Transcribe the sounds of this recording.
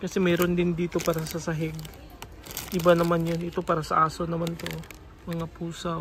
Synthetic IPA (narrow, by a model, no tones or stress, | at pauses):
kɐsɛmɛːɾond̪ɪnd̪iːt̪o̞paːɾɐsɐsɐɦɛɡ̚ | ʔɪbanɐmanjonɪt̪o̞paːɾɐsɐ̰ʔaːsonɐmant̪o̞ | mɐŋapuːsɐ